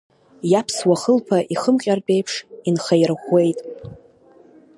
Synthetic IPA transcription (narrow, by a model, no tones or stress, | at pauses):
japʰswaχəlpʰaʔiχəmqʲʼarbʼe̞jpʰʂinχajrχʷe̞jtʼ